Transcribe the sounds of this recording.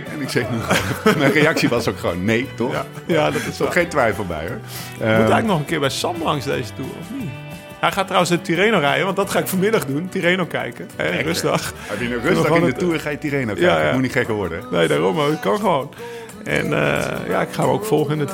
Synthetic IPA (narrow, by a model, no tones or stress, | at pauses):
ɛnɪksɛnumɛjreɑksiʋɔsokxəʋo̰ːnːejtɔa | jadɔtɪsoxejntʋɛjfəl̩ˠbɛ̰jɔ | utɛɪknɔxənkɪəbɛjsɔmlɑŋsdḛjzətuːrɔ̰fni | hɛjxaːtrawənsətyɾeːnorɛjəʋɔntdɔtxaːɪkfomɪdɑxduntyɾeːnokɛ̰jkəhɛrøsdɑxɛpjənorødɑɪndəttuːrxaːjətirejnojajamutnitxɛkəʋɔɹdəneːjdaːrɔmoɪtkɔnxəʋoːn | ɛ̰nə̰ja̰ɪkxaːmo̰ːkfɔlˠxəɪnət